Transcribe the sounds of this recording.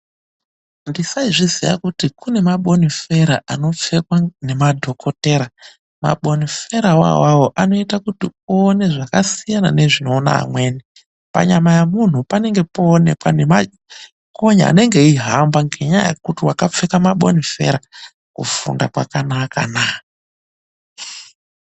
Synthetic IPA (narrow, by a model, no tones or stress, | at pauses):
ndisaiʐizija̰kutikune̞maɓo̞nife̞ɾaʔano̞p͡fe̞kwane̞madʱo̞kʰo̞te̞ːɾa | ma̰ɓo̞nife̞ɾawa̰wawo̞ʔano̞itakutioːne̞ʐakasijana̰ne̞ʐino̞ːna̰a̰mwe̞ːni | pa̰ɲamajamun̤upane̞ŋɡe̞poːne̞kwanema | koɲa̰ːne̞ŋɡe̞iɦambaŋɡeɲa̰ja̰kutiwakap͡fe̞kamaɓo̞̰nife̞̰ɾa | kṵfṵndakwakanaka̰naː